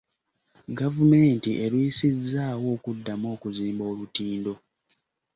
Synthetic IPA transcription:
ɡavume̞ːntiʔe̞ɾwiisizːaːwo̞ːkudːamo̞ːkuziːmbo̞ːlutiːndo̞

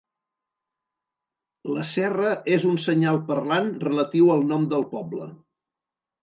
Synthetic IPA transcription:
ləsɛrəʔezunsəɲalˠpəɾlanrələt̪iwəlˠnɔmd̪əlˠpɔblə̰

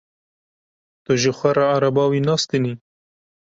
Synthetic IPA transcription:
t̪oʒexwaɾaːɾabɑwinɑːst̪eni

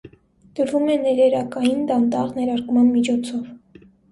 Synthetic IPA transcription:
d̪̥əɾvumɛnɛɾɛɾɑkɑjind̪ɑnt̪ɑʁnɛɾɑɾkmɑnmit͡ʃʰɔt͡sʰɔv

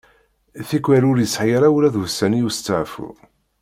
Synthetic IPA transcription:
θikʷːwæɾʊɾjəsħjəɾæwlæðvsːænijust͡sːaʕfṵ

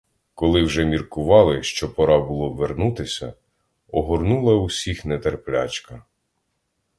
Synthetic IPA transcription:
kɔlˠɪwʒɛmʲirkʊʋɑlˠɪʃt͡ʃɔpɔɾɑbʊlˠɔʋernut̪ɪsʲɐ̰ | ɔɦɔrnulˠɐusʲixnɛt̪erplʲa̰t͡ʃkɐ

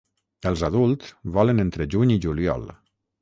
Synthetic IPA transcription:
əlˠzaðulˠt̪sβɔlənent̪ɾəd͡ʒuɲiʒuliɔ̰l

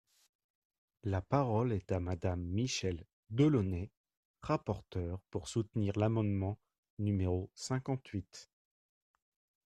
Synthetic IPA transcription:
lapaʁɔlɛt̪amad̪amːiʃɛl | d̪əlɔnɛ | ʁapɔʁt̪œʁpuʁsut̪niʁlamɑ̃d̪mɑ̃ | nymeʁosɛ̃kɑ̃t̪ɥit̪

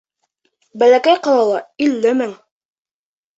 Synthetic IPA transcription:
bælækæjqɑlˠɑlˠɑilːɘmɘŋ

